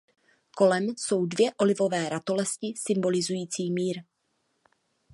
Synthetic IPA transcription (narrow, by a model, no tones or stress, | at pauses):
ko̞lɛmso̞wdvjɛʔo̞lɪvo̞vɛːɾat̪o̞lɛscɪsɪmbo̞lɪzujiːt͡siːmiːɾ